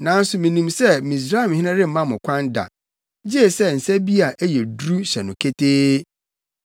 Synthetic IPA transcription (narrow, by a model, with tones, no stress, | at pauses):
nã˨n̩˦sʊ˨mĩ˨nĩ˨msɛ˦mĩ˨s̬ɾaː˦i˨mhɪ̃˦nɪ̃˦ɾɪ̃˦m̩˦mã˦mʊ̃˨kʷʰã˦n˦da̰˨˦ | d͡ʑi˦e˦˨sɛ˦n̩˨sɛ˦bi˦a˨ʔæ˦jɛ˨dɾu˦ɕɛ˨nʊ̃˨kʰe˦tʰeː˦